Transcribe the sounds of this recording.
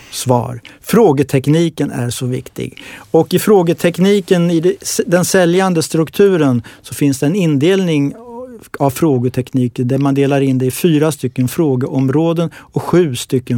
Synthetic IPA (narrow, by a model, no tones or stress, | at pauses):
svɑ̰ːɾfɾoːɡət̪ʰɛkniːkənæ̰ɾʂɔvɪ̰kt̪ʰɪ̰ɡɔkɪfɾoːɡət̪ʰɛkniːkənɪd̪d̪ɛnsɛljand̪əst̪ɾɵkt̪ʰʉ̟ːɾənsɔfɪnsd̪ɛɛnɪnd̪eːlnɪŋ | avfɾoːɡət̪ʰɛkniːkəd̪æɾmand̪eːlaɾɪnd̪ɛɪfyːɾast̪ʏkːənfɾoːɡəʔɔmɾoːd̪ənɔkɧʉ̟ːst̪ʏkːə